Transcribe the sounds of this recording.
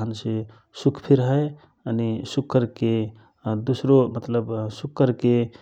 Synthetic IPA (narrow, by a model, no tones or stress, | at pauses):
ənse | sukʰpʰiɾɦə | ənisukʰːəɾke | d̪usɾomət̪ləbsukːəɾke